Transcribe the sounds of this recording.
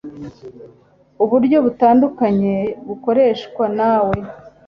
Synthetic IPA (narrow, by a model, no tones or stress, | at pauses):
uβuɾɟo̞βutaːndukaɲe̞βuko̞ɾe̞ːʃkwanaːwe̞